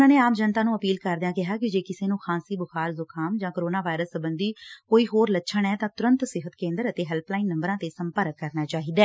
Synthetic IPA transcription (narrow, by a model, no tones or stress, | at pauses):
nãːneːaːmd͡ʒənt̪ãːnũːəpiːlkəɾd̪ɪjãːkɪɦaːkɪd͡ʒeːkɪseːnũːxʰãːsiːbʊxʰaːɾzʊkʰaːmd͡ʒãːkəɾoːnaːʋaːɪɾəsəbənd̪iːkoːiːɦoːɾlətːʃʰəɳɛːt̪ãːt̪ʊɾə̃nt̪sɪɦət̪kẽːnd̪əɾət̪eːɦɛːlplaːiːnːə̃mbəɾãːt̪eːsəmpəɾkːəɾnaːt͡ʃaːɦiːd̪ɛː